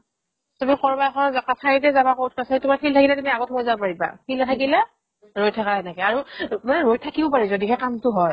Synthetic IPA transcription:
tumikɔɹbakʰɔnzakasʰaɹitɛzabakɔt̚ʰkasaitʊmaɹpʰiltʰakilɛtumiaɡot̚ʰbɔzabɔpaɹiba̰pʰiltʰakilɛ | ɹojtʰakaɛnɛkɛaɹumanɛɹojtʰakibɔpaɹizodiɦɛkamtʊɦɔj

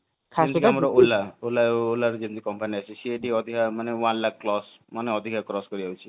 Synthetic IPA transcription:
kʰakamɾɔolːaolaolaɾud͡ʒint̪i̥kɔmpaniat͡ʃʰisieɖiɔd̪ʱikʰamanewanlakːlɔs | maneɔd̪ʱikʰakɾɔskɔɾid͡ʒawt͡ʃʰi̥

